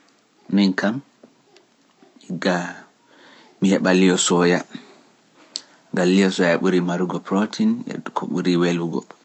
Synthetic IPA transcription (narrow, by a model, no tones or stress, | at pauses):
minkam | iɡa | mihɛɓalijɔsɔja | ɡalːijɔsɔjaɓuɾimaɾuɡɔpɾɔtʰinɛ̰kʰɔ̰ɓuɾiweluɡɔ̰